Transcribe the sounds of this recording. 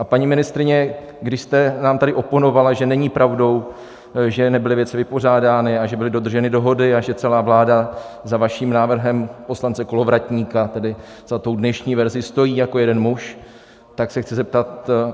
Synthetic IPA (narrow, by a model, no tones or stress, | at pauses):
ʔapaɲimɪnɪst̪ɾɪɲɛ | ɡdɪʃst̪ɛnaːmt̪adɪʔo̞po̞no̞valaʒɛnɛɲipɾʔavdo̞w | ʒɛnɛbɪlɪvjɛt͡sɪvɪpo̞r̝aːdaːnɪaʒɛbɪlɪdo̞d̪r̩ʒɛnɪdo̞ɦo̞dɪaʒɛt͡sɛlaːvlaːdazavaʃiːmnaːvr̩ɦɛmpo̞slant͡sɛko̞lo̞vɾatɲiːkat̪ɛdɪ | z̥at̪o̞wdnɛʃɲiːvɛɾzɪst̪o̞jiːjako̞jɛdɛnmuʃ | t̪aksɛxt͡sɪzɛp̚t̪at̪